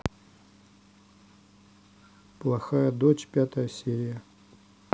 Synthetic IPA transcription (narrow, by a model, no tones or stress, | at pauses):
plˠɐxajɐd̪ot͡ɕpʲat̪ɐjɐsʲeɾʲijɐ